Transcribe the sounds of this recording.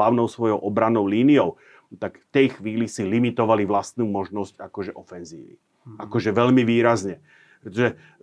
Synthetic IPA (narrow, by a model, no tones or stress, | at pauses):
laʊnɔʊsʋɔjɔʊʔɔbɾanːɔʊliːniɔʊ | t̪akft̪ɛjxʋiːlisilimit̪ɔʋaliʋlast̪nuːmɔʒnɔscakɔʒɛʔɔfɛnzḭːʋḭ | akɔʒɛʋɛʎmiʋiːɾazɲɛ | pɾɛt̪ɔʒɛ